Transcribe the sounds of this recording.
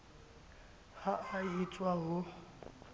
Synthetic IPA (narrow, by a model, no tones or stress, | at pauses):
haait͡sʼwaɦʊ